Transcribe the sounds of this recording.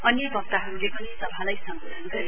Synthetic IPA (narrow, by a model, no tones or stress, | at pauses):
ʌnjebʱʌp̚t̪aɦʌɾulekʌnesʌbʱalajsʌŋɡʌsʌnɡʌɾi